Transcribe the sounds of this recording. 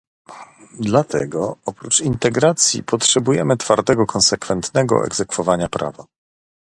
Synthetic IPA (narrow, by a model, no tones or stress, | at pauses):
d̪lat̪ɛɡɔɔpɾut͡ʂint̪ɛɡɾat̪sʲjḭpɔtʂɛbujɛmɘt̪faɾt̪ɛɡɔkʰɔnsɛkfɛnt̪nɛɡɔ̰ʔɛ̰ɡzɛkfɔvaɲapɾa̰va̰